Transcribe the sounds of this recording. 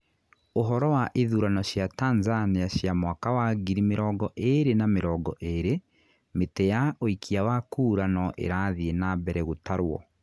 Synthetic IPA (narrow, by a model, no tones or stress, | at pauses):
oɦɔɾɔwaʔeðuːɾanɔɕjataːnzaniaɕjamwakawaɡiɾimeɾɔːɡɔʔeɾenameɾɔːɡɔʔeɾe | metɛjaoikʰiawakuːɾanɔʔḛɾaðienabɛɾɛɣotaɾwɔ̰